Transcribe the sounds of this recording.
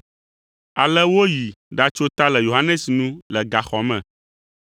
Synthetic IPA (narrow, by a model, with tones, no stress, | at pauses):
a˨lɛ˦wo˦ji˨ɖa˦t͡ʃo˦t̪a˦lɛ˨jo˨ɦa˦nɛ̃˦snũ˦lɛ˨ɡa˨xɔ˨mɛ̰̃˨